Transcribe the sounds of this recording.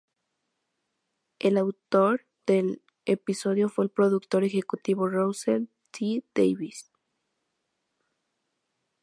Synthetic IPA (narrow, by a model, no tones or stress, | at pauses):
elawt̪o̞ɾ | ð̥e̞l | episo̞ðjo̞fweːlpɾo̞ðukt̪o̞ɾexe̞kut̪iβo̞rowsel | t̪ʰid̪ḛjβis